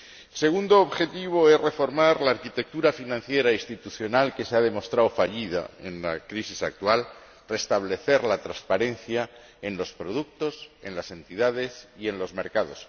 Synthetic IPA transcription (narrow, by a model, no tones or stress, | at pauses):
se̞ɣund̪oːβxe̞t̪iβ̞o̞e̞sre̞fo̞ɾmaɾlaːɾkit̪e̞k̚t̪uɾafinãn̟θje̞ɾaist̪it̪uθjo̞nalke̞seað̞e̞mo̞st̪ɾawfaʎiða̰e̞̰nlakɾisisak̚t̪wal | re̞st̪aβle̞θe̞ɾlat̪ɾaspaɾe̞nθja | e̞nlo̞spɾo̞ð̞uk̚t̪o̞se̞nlase̞nt̪iðaðe̞sie̞nlo̞zme̞ɾkaðo̞s